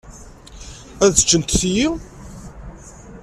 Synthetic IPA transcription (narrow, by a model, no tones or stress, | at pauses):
æðə̥t͡ʃːənt̪θiji